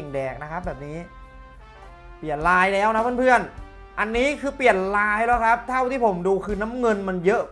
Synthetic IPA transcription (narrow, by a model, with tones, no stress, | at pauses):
ŋdɛː˨˩k̚na˦˥kʰa˦˥p̚bɛː˨˩p̚niː˦˥ | pi˨˩ənlaː˧jda˧jːwna˦˥pʰɤː˥˩npʰɯ˥˩ən | ʔa˧nːiː˦˥kʰɯː˧pi˨˩ənlaː˧˨jlɔː˦˥kʰa˦˥p̚t̪ʰa˥˩wt̪ʰiː˥˩pʰo˩˦mduː˧kʰɯː˧na˦˥mŋɤ˧nma˧njɤ˦˥ʔ